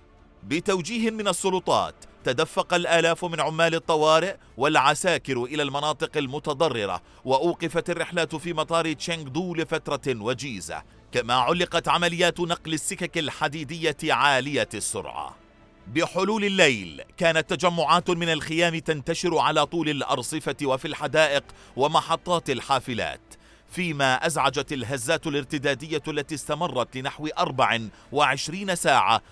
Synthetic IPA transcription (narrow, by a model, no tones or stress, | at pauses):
bɪt̪awd͡ʒiːhɪmɪnɑsˤːʊlʊt̪ˤɑ̰ːt̪ːad̪afːɑqɑlʔaːlaːfmɪnʕʊmːaːlɪt̪ˤːɑwɑːɾɪʔ | walʕasaːkɪɾʔɪlaːlmɑnɑːt̪ˤɨqalmʊt̪ɑd̪ˤɑrˤːɪɾɑ̰ | waʔuːqɪfat̪arːɪħlaːt̪fiːmɑt̪ˤɑːɾɪt͡ʃaŋɡd̪ˤuːlfat̪ɾˤɑwad͡ʒiːza̰ | kama̰ːʕʊlːɪqɑt̪ʕamalɪjːaːt̪nɑqlɪsːɪkakalħad̪iːd̪ɪjːaʕaːlɪjasːʊ̰ɾˤʕɑ̰ | bɪħʊluːlɪlːajlkaːnat̪ːad͡ʒamːʊʕaːt̪mɪnalxɪjaːmɪt̪ant̪aʃɪɾʊʕalaːt̪ˤuːlalʔɑ̰ɾˤsˤɨfawafilħad̪aːʔɪq | wamɑħɑt̪ˤːɑːt̪ɪlħaːfɪla̰ːt̪ | fiːmaːʔazʕad͡ʒat̪alɦazːaːt̪ʊlɪɾt̪ɪd̪aːd̪ɪjːalːat̪iːst̪amɑrˤːɑt̪lɪnaħwɪʔɑɾˤbaʕɪ | waʕɪʃɾiːnasaːʕa̰